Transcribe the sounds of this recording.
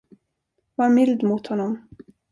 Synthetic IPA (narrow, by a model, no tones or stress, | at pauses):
vaɾmɪld̪mʊt̪hɔnːɔm